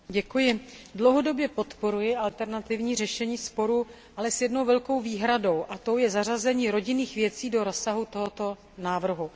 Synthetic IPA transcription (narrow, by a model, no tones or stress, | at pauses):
ɟɛkujɪdlowɦo̞do̞bjɛpo̞t̪po̞ɾujɪʔalt̪ɛɾnat̪ɪvɲiːr̝ɛʃɛɲiːspo̞ɾu | ʔalɛsjɛdno̞wvɛlko̞wviːɦɾado̞wʔat̪o̞wjɛzar̝azɛɲiːɾo̞ɟɪniːxvjɛt͡siːdo̞ɾo̞sːaɦut̪o̞ɦot̪o̞ | naːvr̩ɦu